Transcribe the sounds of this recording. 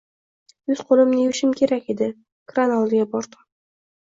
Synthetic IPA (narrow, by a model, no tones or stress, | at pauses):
jʊz̥qʰolˠɪmnɪjʊʃɪmkʲʰe̞ɾakʲe̞d̪ɪ | kɾanɒlˠɪɡʲabɒɾt̪ʰɑ̥